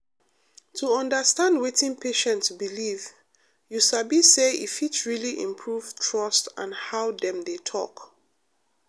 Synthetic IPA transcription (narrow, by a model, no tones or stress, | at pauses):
tʰuɔ̃ndəstãndwetĩŋpʰeʃɛ̃ntsbiliv | jusabiseḭfitɹiliʔḭ̃mpʰɹuv̥tʰɹʌstã̰nhaʊdɛ̃mdetʰɔ̰k